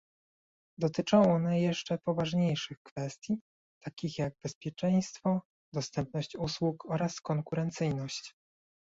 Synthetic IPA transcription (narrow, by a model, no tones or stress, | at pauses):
d̪ɔt̪ɘt͡ʂɔw̃ɔnajɛʂt͡ʂɛpɔvaʐɲejʂɘxkfɛst̪ʲji | t̪ʰakʲixjaɡ̚bɛspʲjɛt͡ʂɛj̃st̪fɔ | d̪ɔst̪ɛmp̚nɔɕt͡ɕuswukɔɾaskɔŋkuɾɛnt̪sɘjnɔɕt͡ɕ